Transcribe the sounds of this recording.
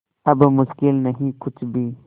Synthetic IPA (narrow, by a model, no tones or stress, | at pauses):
ɐbmʊʃkɪlnɐɦĩkʊt͡ʃʰbʱiː